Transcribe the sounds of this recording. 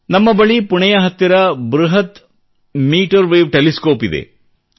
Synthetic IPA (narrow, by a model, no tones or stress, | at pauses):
nɐmːɐbɐɭipuɳɛjɐɦɐt̪ːiɾɐbɾuɦɐt̪ | miːʈɐɾʋeːʋʈeliskoːpid̪ḛ